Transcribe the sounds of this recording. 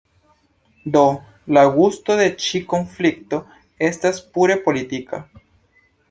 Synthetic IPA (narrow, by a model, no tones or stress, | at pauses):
d̪o̞ | laɡusto̞de̞t͡ʃiko̞nflik̚to̞ | e̞staspuɾe̞po̞litika